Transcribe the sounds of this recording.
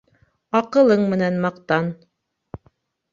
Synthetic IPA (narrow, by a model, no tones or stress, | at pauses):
ɑqɤ̆lˠɤɴmɘ̆nænmɑqt̪ɑn